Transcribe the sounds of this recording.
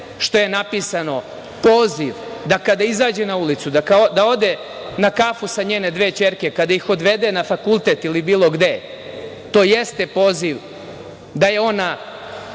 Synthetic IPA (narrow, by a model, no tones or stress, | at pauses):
ʃt̪o̞je̞napisano̞ | po̞ːziʋd̪akad̪aizaːd͡ʑenaulit̪sud̪akad̪ao̞d̪e | nakafusaɲeːne̞d̪ʋe̞ːt͡ɕe̞ɾkekad̪aixo̞d̪ʋe̞d̪enafakulˠt̪et̪ilibiːlˠo̞ɡd̪e̞ | t̪o̞ːjest̪epo̞ːziʋ | d̪aje̞o̞na